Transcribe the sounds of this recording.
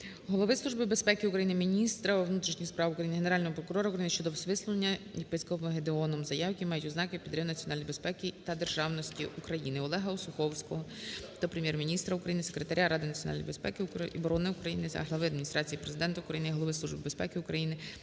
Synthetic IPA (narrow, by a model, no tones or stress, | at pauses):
ɦɔlˠɔʋɪslˠuʒbɪbe̞spɛkɪukɾɐjinɪmʲinʲist̪ɾɐwnut̪ɾʲiʃnʲispɾɑʋʊkɾɐjinɪɦeneɾɑlʲnɔɦɔpɾɔkʊɾɔɾɐukɾɐjinɪʃt͡ʃɔd̪ɔʋsʋɪslˠʊlˠenʲːɐjepɪsʲkɔmɦed̪eɔnɔmzɐjɑwjkʲimɑjʊtʲʊznɑkɪpʲid̪ɾʲɪmnɐt͡sʲiɔnɑlʲnʲijbespɛkʲit̪ɐd̪e̞rʒɑwnɔsʲtʲiʔukɾɐjinɪɔlˠɛɦɐɔsʊxɔwsʲkɔɦɔt̪ɔpɾemʲjɛrmʲinʲist̪ɾɐʊkɾɐjinɪsekɾet̪ɐɾʲaɾɑd̪ɪnɐtt͡sʲjɔnɑ̰l̰ʲj̰bespɛ̰kɪkbɔɾɔnɪʊukɾɐjinɪɐ̰ɦlˠɐʋɪɐd̪mʲinʲist̪ɾɑt͡sʲijipɾezɪd̪ɛnt̪ɐʊkɾɐjinɪɦɔlɔʋɪslˠuʒbɪbe̞spɛkɪʊkɾɐjinɪ